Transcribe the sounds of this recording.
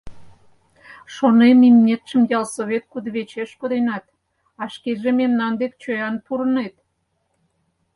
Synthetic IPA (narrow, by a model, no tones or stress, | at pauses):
ʃonenimnʲet̪ʃəmjɑlsoβʲet̪̚kud̪βet͡ɕeʃkod̪enɑt̪ | ɑʃkeʒememnɑnd̪ek̚t͡ɕøjɑnpuɾənet̪